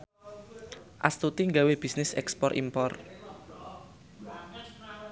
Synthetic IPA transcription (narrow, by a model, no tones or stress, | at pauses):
ʔa̰st̪ut̪iŋɡaweb̥i̤snɪsɛ̰kspɔrʔḭmpɔr